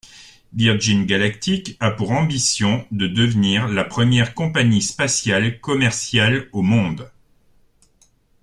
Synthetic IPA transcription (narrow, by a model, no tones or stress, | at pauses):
viʁʒinɡalak̚t̪ikapuʁɑ̃bisjɔ̃d̪əd̪əvniʁlapχəmjɛʁkɔ̃paɲispasjalkɔmɛʁsjalomɔ̃d̪